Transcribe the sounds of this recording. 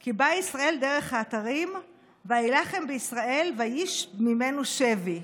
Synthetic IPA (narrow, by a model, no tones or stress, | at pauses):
kibaisʁae̞ld̪e̞ʁe̞χhaːt̪aʁim | veajilaχe̞mbeisʁaʔe̞lvajiʃmime̞nuʃevi